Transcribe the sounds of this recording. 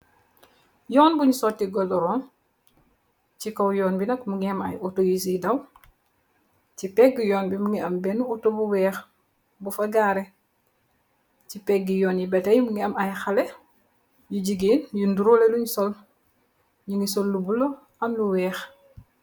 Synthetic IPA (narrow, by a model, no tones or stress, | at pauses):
jɔːnbuɲusɔtːiɡɔldɔɾɔːn | cikɔwjɔːnbinɐkmuŋiɐmɐ̰jɔtojisidɐw | cipɛɡɡijɔːnbimuŋiɐmbɛnuɔtobuwɛːx | bufɐɡaːɾɛ | cipɛkɡijɔːnjibɛtɐjmuŋiɐmɐjxɐlɛ | juɟiɡiːnjunduɾoːlɛluɲsɔl | ɲuŋisɔlːubulɔ | ɐmluwɛːx